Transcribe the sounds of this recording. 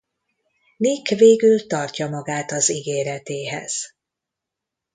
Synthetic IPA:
nikveːɡylt̪ɒrcɒmɒɡaːt̪ɒziɡeːɾɛt̪eːɦɛ̰z̥

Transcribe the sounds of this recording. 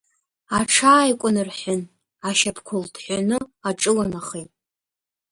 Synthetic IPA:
aʈ͡ʂʰaːjkʷʼʊnɨrħʊn | aʃapʰkʷʰʊldʰħʷanɨaʈ͡ʂʼɨlanaχejtʼ

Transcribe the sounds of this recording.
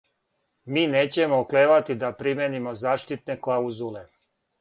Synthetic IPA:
miːneːt͡ɕe̞mookleːʋat̪id̪apɾimjenimo̞zaːʃt̪it̪ne̞klˠauzule̞

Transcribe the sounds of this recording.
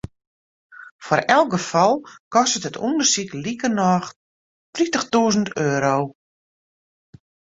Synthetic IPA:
fɔɾɛlˠk̚ɡəfɔlˠkɔstətətʰundərsiklikənɔːx | tritəxtuəzən̩tøːɾoː

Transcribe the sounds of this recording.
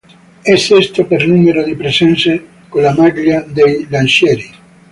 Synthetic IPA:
esest̪opeɾnumeɾoðepɾesense | kolamaɾʎad̪ejlanʃeɾi

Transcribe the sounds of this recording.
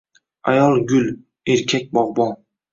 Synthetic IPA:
ajɑlˠɡʲʊl | eɾkʲʰak̚ʲbɒʁbɒn

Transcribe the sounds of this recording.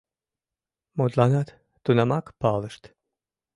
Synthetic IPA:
mod̪lanat̪ | t̪unamakpaːlˠəʃt̪

